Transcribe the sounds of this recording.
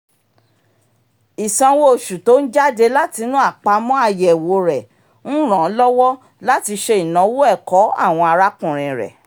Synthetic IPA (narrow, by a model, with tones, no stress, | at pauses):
i˨sã˨˧wo˦o˨ʃu˨to˨˦n̩˦d͡ʒa˦de˧la˦ti˧nũ˦a˦˨k͡pa˧mɔ̃˦a˧jɛ˨wo˨ɾɛ˨ | ñ̩˦ɾ̃ã˨˦lɔ˦wɔ˦ | la˦ti˧ʃe˧i˨nã˨˦wo˦ɛ˦˨kɔ˨˦a̰˦˨w̃ɔ̃˧a˧ɾa˦kũ˦˨ɾ̃ĩ˨ɾɛ̰˨